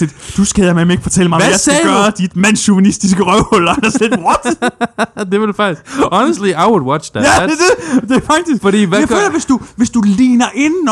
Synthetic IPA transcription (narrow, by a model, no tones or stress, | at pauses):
id̥d̥usɡ̥æameme̝ɡ̥əfɒ̽t͡sʰel̰mɑ̈ɪjasæɡːɐd̥id̥mæn̰suʋænisd̥isɡ̥əʁœʊhɔl̰ɐælɐsled̥ʁɔd̥ | d̥e̝ʋɑd̥efɑ̈ɡ̥̚isɒnəsd̥liaɪwud̥wɑðææd̥ed̥e̝fɑ̈ɡ̥̚d̥ʰisɡ̥fɔd̥ḭʋæjaɪø̰ːlɐʋe̝sd̥uʋe̝sd̥ulḭːnɐʔe̝nn̩